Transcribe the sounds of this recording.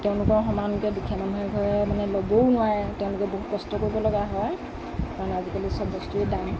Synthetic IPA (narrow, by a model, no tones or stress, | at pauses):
tɛʊ̃lʊkɔɹxɔmankɛdukʰijamanɛɡʱɔɹɛmanɛlobownʊwajɛtɛʊ̃lʊkɛboɦut̚kɔstɔkoɹibɔlɔɡaɦɔj | kaɹɔnazikalisɔbɔstuedan